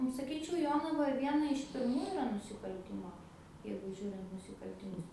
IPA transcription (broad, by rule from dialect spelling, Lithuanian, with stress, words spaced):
nʊ sɐˈkʲiːt͡ʃʲɛʊ ˈjoːnɐʋɐ ˈʋʲiɛnɐ ɪʃ pʲɪrˈmuː ɪˈrɐ nʊsʲɪkɐlʲˈtʲɪmoː ˈjɛɪɡʊ ˈʒʲuːrʲɪnt nʊsʲɪkɐlʲtʲɪˈmʊs